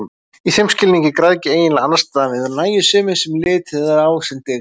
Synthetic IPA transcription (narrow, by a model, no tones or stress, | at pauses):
iθejmscɪlniɲcɪkɾaðcɪeːjɪnlaanːast̪amɪðɔnaːjʏsʏːmɪnsɛmlɪːt̪ɛðaɾaːwsɛmt̪ɪ